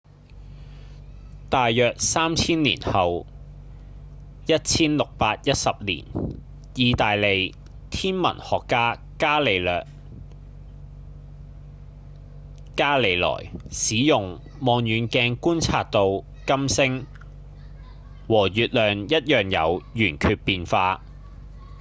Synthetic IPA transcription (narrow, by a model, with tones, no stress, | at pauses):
t̪aː˨jːœː˨k̚saː˥mt͡sʰiː˥nlḭː˨˩nhɐ˨w | jɐ˥t̚t͡sʰiː˥nlʊ˨k̚paː˧t̚jɐ˥t̚sɐ˨p̚lḭː˨˩n | jiː˨˧t̪aː˨jle˨˧j | t̪ʰiː˥nmɐ̰˨˩nhɔː˨kːaː˥ | kaː˥le˨˧jlœː˨k̚ | kaː˥le˨˧jlɔ̰ː˨˩jsiː˨˥jʊ˨ŋ | mɔː˧ŋjyː˨nkɛː˧ŋkuː˥nt͡sʰaː˧tt̪o˧w | kɐ˥msɪ˥ŋ | wɔː˨˩jyː˨t̚lœː˨ŋjɐ˥t̚jœː˨˩ŋjɐ̰˨˧wjyː˨˩nkʰyː˧t̚piː˧nfaː˧